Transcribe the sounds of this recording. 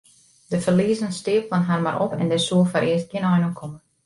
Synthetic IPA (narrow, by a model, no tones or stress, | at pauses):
dəfərliːəzənstɪːəpfɔnɦaːrmaɾʔɔ̰pʰɛ̰ndɛsuəfaɾʔɪəst̚kɪnɔjnokʰɔmə